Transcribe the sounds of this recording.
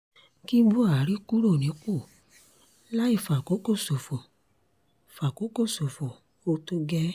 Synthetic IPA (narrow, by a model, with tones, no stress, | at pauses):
ki˦bu˦a˦˨ɾi˦ku˦ɾo˦˨nĩ˨˦k͡po˦˨ | la˦i˦˨fa˨ko˨˦ko˦˨so˨fɔ˨ | fa˨ko˨˦ko˦˨so˨fɔ˨ | o˧to˧ɡɛ˦